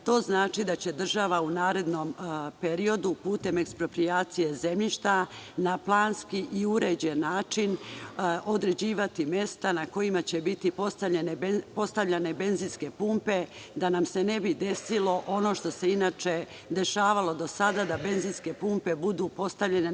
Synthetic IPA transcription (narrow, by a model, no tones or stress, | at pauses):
t̪o̞ːznaːt͡ʃid̪at͡ɕe̞d̪r̩ʒaʋaunaːɾe̞d̪no̞mpe̞ɾio̞d̪upuːt̪e̞mekspɾo̞pɾiaːt̪sije̞ze̞mʎiʃt̪anaplˠaːnskiʔiuɾe̞d͡ʑenːaːt͡ʃin | o̞d̪ɾe̞d͡ʑiːʋat̪imje̞st̪anako̞jimat͡ɕe̞bit̪ipo̞st̪aʋʎe̞ne̞po̞st̪aʋʎane̞be̞nzinske̞puːmpe̞ | d̪anamse̞ne̞bid̪e̞silo̞ʔo̞no̞ʃt̪o̞se̞inaːt͡ʃe̞ | d̪e̞ʃaːʋalo̞d̪o̞sad̪ad̪abe̞nzinske̞pumpe̞bud̪upo̞st̪aʋʎe̞ne